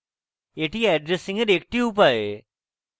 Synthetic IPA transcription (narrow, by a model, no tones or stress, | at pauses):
jeʈʰiːɛɖɾesiŋɡəɾek̚ʈiːup̬ae